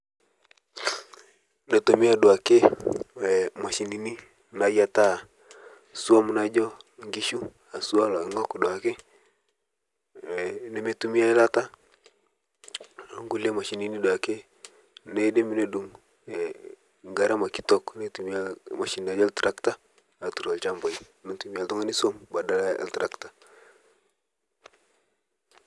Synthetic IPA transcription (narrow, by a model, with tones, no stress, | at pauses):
na˨to˨mi˦a˦dwa˨ke˦˨ | ma˨ʃi˨ni˨ni˦ | na˨ja˦ta˦˨ | su˦a˦mu˦na˦d͡ʒɔ˦ŋɡi˦ʃu˦ | a˨su˦a˦la˨i˦ŋɔ˦ku˨dwa˨ke˦˨ | ne˨˦me˦tu˦mi˦a˦i˦la˦ta˦˨ | ŋɡu˦le˦ma˨ʃi˨ni˦ni˦do˨a˨ke˦ | ne˦de˦mi˦no˦du˨ŋ˨ | ŋ˨ɡa˦ɾa˦ma˨ki˦tɔ˦kne˦tu˨m˦a˦ma˨ʃi˨nda˨˦d͡ʒɔ˦ltɾa˦kta˦ | a˨tu˨ɾo˨lt͡ʃa˦mba˨i˦ | nu˦ntu˨mi˦a˨ltɔ˦ŋa˦ni˦so˦mba˨da˦la˦a̰˨ltɾa˦kta˨